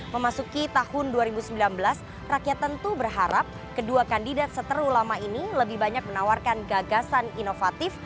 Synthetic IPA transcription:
məmasukit̪ahʊnduaɾibusəmbilanbəlas | rakjat̪ːənt̪ubərɦaɾap̚ | kəduakandidat̪̚sət̪əɾulamainiləbɪhbaɲak̚mənawarkanɡaɡasaninofat̪ɪf

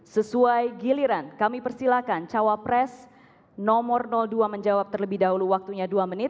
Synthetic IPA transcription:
səsuajɡiliɾankamipərsilakant͡ʃawapɾɛs | nɔmɔrnɔlduaməɲd͡ʒawap̚t̪ərləbɪhdaɦuluwak̚t̪uɲaduamənɪt̪̚

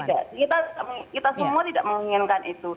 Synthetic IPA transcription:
idaʔkit̪at̪idaʔmkit̪asəmuat̪ida̰ʔməŋiŋɪnkanʔit̪u

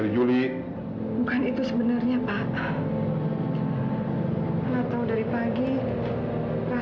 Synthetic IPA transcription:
ɾid͡ʒuli | bukanit̪usəbənarɲapaʔ | lat̪awdaɾipaɡi | ra

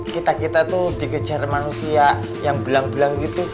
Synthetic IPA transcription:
kit̪akit̪at̪ud̪ikə̥d͡ʒarmanusia | jaŋbəlaŋbəlaŋɡit̪u

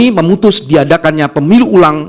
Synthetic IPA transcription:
iməmut̪ʊsdiadakanɲapəmiluʔːlaŋ

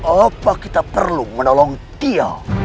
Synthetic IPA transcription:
apakit̪apərlumənolɔŋt̪ia

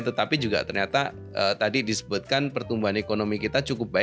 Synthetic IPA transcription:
t̪ət̪apid͡ʒuɡa̰t̪ərɲat̪a | ə̰t̪adidisə̥bʊt̪̚kanpərt̪umbuɦanekonomikit̪at͡ʃukʊp̚ba

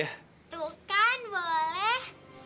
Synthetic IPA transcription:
h | t̪ukanwoleh

